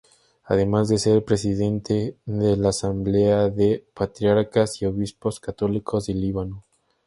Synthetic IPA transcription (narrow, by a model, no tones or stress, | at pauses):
a̰ðe̞mazðe̞se̞ɾpɾe̞siðe̞nt̪eðe̞laːsamble̞aðe̞pat̪ɾjaɾkasio̞βispo̞skat̪o̞likʰo̞zðe̞liβano̞